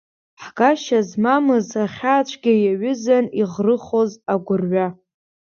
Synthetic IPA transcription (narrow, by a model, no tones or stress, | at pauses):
ħɡaʃazmamɨzaχʲaːt͡ʃʷʰɡʲɪjaɥʏzaniʁrɨχozaɡʷʊrɥa